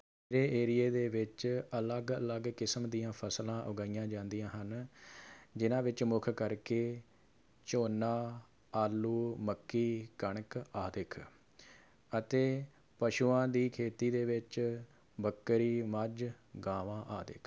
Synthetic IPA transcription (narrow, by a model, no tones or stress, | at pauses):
eɾeːʔeːɾɪjeːd̪eːʋɪt͡ʃələɡələɡkɪsmd̪iːãːpʰəslãːʔʊɡaːijãːd͡ʒãːnd̪ijãːɦən | d͡ʒɪnãːʋɪt͡ʃmʊkʰkəɾkeː | t͡ʃoːnaː | aːlːuːməkːiːkəɳ̃kaːd̪ɪkʰ | ət̪eː | pəʃuːãːd̪iːkʰeːt̪iːd̪eːʋɪt͡ʃ | bəkːɾiːməd͡ʒ | ɡaːʋãːʔaːd̪ɪ̰kʰ